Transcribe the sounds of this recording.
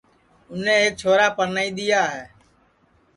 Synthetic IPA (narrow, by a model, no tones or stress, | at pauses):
ʊnẽːɦeːk̚t͡ʃʰoːɾaːpəɾnaːiːd̪ɪjaːɦeː